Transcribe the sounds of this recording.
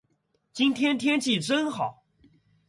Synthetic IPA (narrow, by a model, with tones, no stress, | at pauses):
t͡ɕi˥nt̪ʰjɛ˥nt̪ʰjɛ˥nt͡ɕi˥˩ʈ͡ʂə˥nxɑ˨˩˦ʊ